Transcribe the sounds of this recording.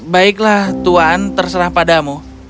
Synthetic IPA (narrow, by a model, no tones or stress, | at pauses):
baɪklaht̪uant̪ərsəɾaŋpadamu